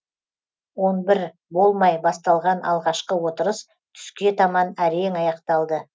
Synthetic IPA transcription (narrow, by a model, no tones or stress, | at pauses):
wo̞nbɪɾ | bo̞lˠmɑjbɑst̪ɑlˠʁɑnʔɑ̰lˠʁɑʃqəwo̞t̪əɾəs | t̪ʰʏ̥skʲe̞t̪ʰɑmɑnæɾeŋɑjɑqt̪ɑlˠd̪ə